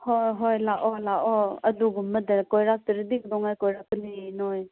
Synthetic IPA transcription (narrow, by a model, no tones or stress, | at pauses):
hɔɦɔjlaʔɔlaʔɔɐd̪uɡumːəd̪əkɔjɾat̪əɾd̪ik̚d̪ɔŋajkɔjɾatəlinɔj